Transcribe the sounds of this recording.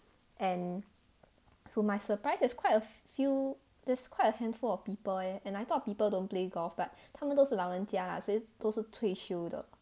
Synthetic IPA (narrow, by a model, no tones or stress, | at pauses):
ʔɛ̃n | soɪmajsəpɹaɪsdɛskʰwajtəfju | dɛskʰwaɪtəhɛ̃nfulɔfpipəlɛɛ̃najt̪ʰɔt̚pipəldõnpleɡɔlfbat̚tʰãmə̃ndosəlaʊə̃ntʰiala̰soɛd̥osətʰweʃudə̰